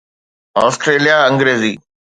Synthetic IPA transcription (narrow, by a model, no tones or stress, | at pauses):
ɔːsʈɾeːlijaɐ̃ŋɡɾeːziː